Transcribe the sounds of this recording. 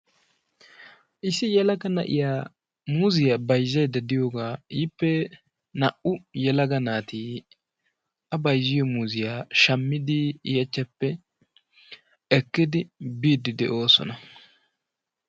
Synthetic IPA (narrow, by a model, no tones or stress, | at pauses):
ʔɪsɪjɛlɐɡɐnɐ̰ʔɪ̰jaː | muːzɪjaːbɐjzːɐjd̪ɐd̪ɪjoːɡaːiːpːɛ | nɐ̰ʔʊjɛlɐɡɐnaːt̪iː | ɐbɐjzːɪjɔmuːzɪjaːʃɐmːɪd̪ɪːjɐt͡ʃːɐpːɛ | ɛkːɪd̪ɪbiːd̪ɪd̪ɛ̰ʔo̞ːsɔ̰nɐ